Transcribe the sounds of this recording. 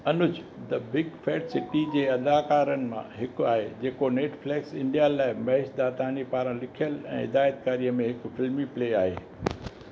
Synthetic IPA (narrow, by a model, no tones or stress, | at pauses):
ɐnʊd͡ʑ | d̪ɐbɪɡfeːʈsɪʈid͡ʑeːɐd̪aːkaːɾənɪ̆mã̰ɦɪkʊaːɦed͡ʑeːkoneːʈfleːksɪ̃ɳɖijalaːɪmɐɦɪʃd̪aːt̪aːnipaːɾə̃lɪkʰijəlɛ̰̃ːɦɪd̪aːjət̪̚kaːɾijəmẽɦɪkfɪlmipleːaːɦḛː